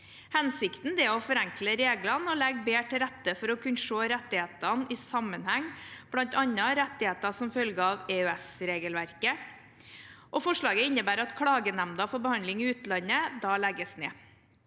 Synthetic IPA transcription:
hɛnsɪkt̪n̩d̪ɛɔfɔɾæŋkləɾeːɡlɑnɔlɛɡbeːʈʰɪlɾæt̪ːəfɔɾɔkʰʉnːʂoːɾɛt̪ːɪheːt̪ɑnɪsɑmːənhæŋb̥lɑnt̪ɑnːəɾɛt̪ːɪheːt̪ɑsɔmfœlɡəɑʋeøɛsɾeːɡəlʋæɾkə | ʔɔfɔʂɭɑːɡəɪnːəbæːɾɑt̪kʰɽɑːɡənæmd̪ɑfɔɾbəhɑnd̪lɪŋɪʉːt̪lɑnːəd̪ɑːlɛɡəsnḛː

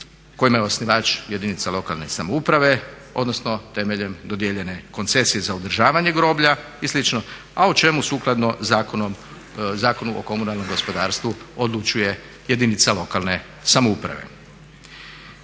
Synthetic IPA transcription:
ko̞jimajeosniʋat͡ʃje̞d̪init̪salo̞kalˠne̞samoupɾaʋe̞ | o̞̰d̪no̞sno̞t̪e̞meʎe̞md̪o̞d̪jeʎe̞ne̞ko̞nt̪se̞sije̞zaud̪ɾ̩ʒaːʋaɲe̞ɡɾo̞ːbʎa | islit͡ʃno | aot͡ʃe̞musuːklˠad̪no̞akoom | zaːko̞nuʔo̰ko̞munalˠno̞mɡo̞spo̞d̪aːɾst̪ʋuod̪lˠut͡ʃuje̞ | je̞d̪init̪salo̞kalˠne̞ | samoupɾa̰ʋḛ

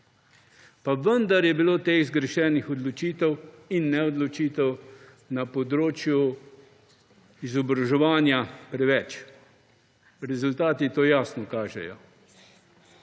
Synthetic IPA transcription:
paʋənd̪aɾjɛbiloːt̪eizɡɾɛʃɛːnixɔd̪lɔt͡ʃiːt̪ɛwinːɛɔd̪lɔt͡ʃiːt̪ɛw | napɔd̪ɾoːt͡ʃju | izɔbɾaʒɛʋaːnjapɾɛʋɛt͡ʃ | ɾɛzult̪aːt̪it̪oːjaːsnɔkaːʒɛ̰jɔ̰

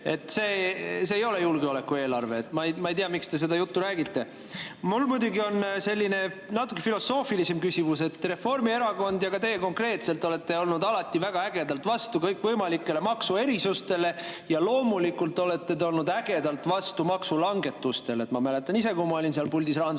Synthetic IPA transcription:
e̞t̪ːˑseːseːjo̞le̞julɡeo̞le̞kːˑue̞ːlɑrve̞ːt̪ːˑmɑjmɑejt̪iɑmikst̪e̞s̬e̞d̪ɑjut̪ːuɾæːɡit̪ːe̞ | mulːmujd̪ʲuɡio̞nse̞lʲːine̞ | nɑt̪ːˑukːˑefilo̞so̞ːfilise̞mkysimuse̞t̪ːre̞fo̞rmie̞ɾɑko̞nd̪jɑɡɑt̪ejeko̞ŋkre̞ːt̪se̞lt̪ole̞t̪ːe̞o̞lnud̪ɑlɑt̪ːˑivæɡ̥ɑæɡ̥e̞d̪ɑlt̪vɑst̪ukɤjkːvɤjmɑlikːˑe̞le̞mɑksue̞ɾisust̪e̞le̞jɑlo̞ːmulikːult̪o̞le̞t̪ːe̞t̪eolnud̪æɡ̥e̞d̪ɑlt̪ˑvɑst̪umɑksulɑŋɡe̞t̪ːˑust̪e̞let̪mɑmæle̞t̪ːˑɑnise̞kumɑo̞lʲinseɑlpulʲd̪isrɑːn

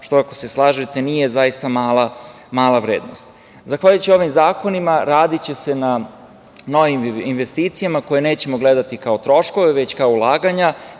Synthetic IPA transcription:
ʃt̪oako̞̥se̞slˠaːʒet̪e̞nije̞zajist̪amaːla | maːlˠaʋɾeːd̪no̞̰st̪ | zaxʋaʎujt͡ɕio̞ʋimzaːko̞nimaɾaːd̪it͡ɕe̞se̞na | no̞ʋiminʋest̪iːt̪sijamako̞jeneːt͡ɕe̞mo̞ɡle̞d̪at̪ikaot̪ɾo̞ʃko̞ʋeʋe̞t͡ɕkaoulˠaːɡaɲa

